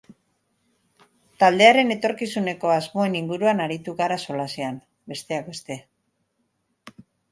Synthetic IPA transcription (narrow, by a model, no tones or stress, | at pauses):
t̪ald̪e̞aɾe̞ne̞t̪o̞ɾkisune̞ko̞azmo̞e̞niŋɡuɾuanaɾit̪uɣaɾaso̞lasean | be̞st̪e̞ak̚be̞st̪e̞